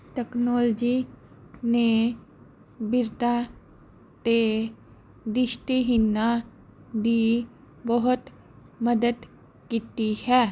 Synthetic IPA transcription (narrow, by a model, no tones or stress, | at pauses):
ʈɛknɔːld͡ʒi | ne | bɪɾt̪a | t̪e | d̪ɪʃʈ̪eɦɪnːa | d̪i | bəɦʊt̪ | məd̪əd̪ | kiːt̪ihɛː